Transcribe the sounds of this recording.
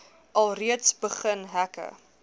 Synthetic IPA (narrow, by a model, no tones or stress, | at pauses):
ʔɐlˠriətsbəχənɦækə̰